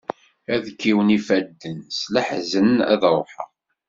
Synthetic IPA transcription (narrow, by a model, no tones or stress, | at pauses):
æðkːiwənifæd̪ːənslæħzənæ̰ðɾˤoħə̰ʁ